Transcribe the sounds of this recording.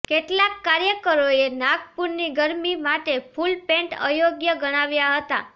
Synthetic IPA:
keʈlakːaɾjəkəɾoenaɡpuɾniɡəɾmimaʈepʰulpẽɳʈə̰joɡjəɡəɽ̃aʋjaɦət̪a̰

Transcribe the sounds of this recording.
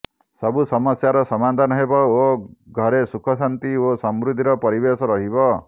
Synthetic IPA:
sɔbusɔmɔsjaɾɔsɔmad̪ʱanɔɦebɔoɡʱɔɾesukʰɔsant̪iosɔmɾud̪ʱiɾɔpɔɾibesɔɾɔɦibɔ

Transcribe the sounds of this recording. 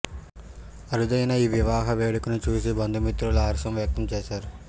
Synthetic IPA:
ɐɾud̪ɐjnɐiːʋiʋaːɦɐʋeːɽukunut͡ʃuːsibɐnd̪ʱumit̪ɾuluaːɾʂɐmʋjɐk̚t̪ɐmt͡ʃeːʃaːɾu

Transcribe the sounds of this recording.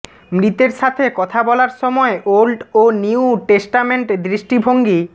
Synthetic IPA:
mɾit̪eɾʃat̪ʰekɔt̪ʰabɔlaɾʃɔmɔeʔolɖoniwʈesʈameɳʈd̪ɾiʃʈibʱoŋɡi

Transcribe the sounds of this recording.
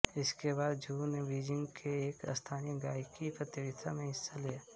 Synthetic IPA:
ɪskebaːd̪̚d͡ʒuːnebiːd͡ʒɪ̃ŋɡkʰeeːkə̰st̪ʰaːniɡaːjkipɾət̪ɪɾɪt̪ʰamẽɦɪsːalijaː

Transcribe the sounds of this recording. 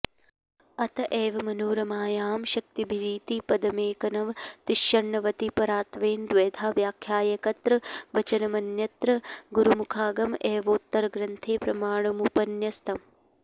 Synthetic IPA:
ɐt̪ɐʔeːʋɐmɐnuːɾɐmaːjaːmʃɐk̚t̪ibʱiɾiːt̪ipɐd̪ɐmeːkɐnɐʋt̪ɪʃːɐɳːɐʋɐt̪ipɐɾaːt̪ʋeːnd̪ʋeːd̪ʱaːʋjaːkʰjaːjɐkɐt̪ɾɐʋɐt͡ʃɐnɐmɐnjɐt̪ɾɐɡuɾumukʰaːɡɐmʔeːʋoːt̪ːɐɾɐɡɾɐnt̪ʰeːpɾɐmaːɳɐmupɐnjɐst̪ʰɐm

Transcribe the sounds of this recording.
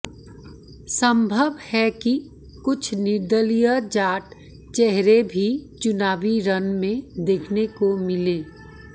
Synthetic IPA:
sə̃mbʱəʋhɛki | kʊt͡ʃʰnɪɾd̪əlijad͡ʒaːʈ | t͡ʃɛɦɾebʱit͡ʃʊnaːʋiɾənmẽd̪eːkʰnekomɪlẽː

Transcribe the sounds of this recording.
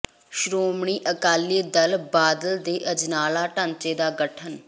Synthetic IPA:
ʃɾoːmɳiːʔəkaːliːd̪əlbaːd̪əld̪eːʔəd͡ʒnaːlaːʈə̃nt͡ʃeːd̪aːɡəʈʰən

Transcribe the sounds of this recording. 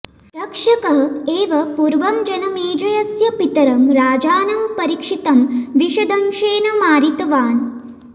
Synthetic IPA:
ɾɐkʂɐkɐɦeːʋɐpuɾʋɐmd͡ʒɐnɐmeːd͡ʒɐjɐsjɐpit̪ɐɾɐmɾaːd͡ʒaːnɐmpɐɾikʂit̪ɐmʋiʃɐd̪ɐmʃeːnɐmaːɾit̪ɐʋaːn

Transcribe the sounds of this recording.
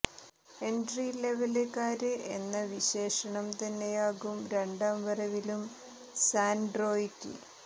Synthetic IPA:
e̞nɖrile̞ʋɐlekːaːɾɨe̞nːɐʋiɕe̞ːʂɐɳɐmt̪ɐnːejaːɣumɾe̞ɳɖaːmʋɐrɐʋilum | saːnɖro̞ːitːɨ̰

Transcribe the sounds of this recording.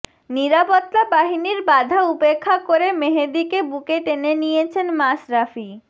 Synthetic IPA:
niɾapot̪ːabaɦiniɾbad̪ʱaupekʰːakoɾemeɦed̪ikebukeʈenenijet͡ɕʰenmaʃɾafi

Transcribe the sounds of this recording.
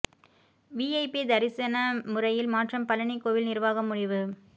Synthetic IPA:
ʋiːɐɪpid̪ɐɾɪsɐnɐmʊrɐjɪlmaːʈrɐmpɐlɐɳikoːʋɪlnɪrʋaːɣɐmːʊɻɪʋɯ

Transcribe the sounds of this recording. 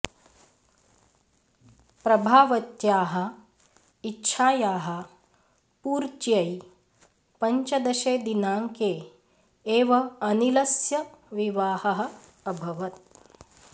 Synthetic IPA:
pɾɐbʱaːʋɐt̪jaːɦɐ̆ | itːʃʰaːjaːɦɐ̆ | puːɾt͡ʃjɐj | pɐɲt͡ʃɐd̪ɐʃeːd̪inaːŋkeː | eːʋɐɐnilɐsjɐʋiʋaːhɐɦɐ̆ | ɐbʱɐʋɐt̪̚

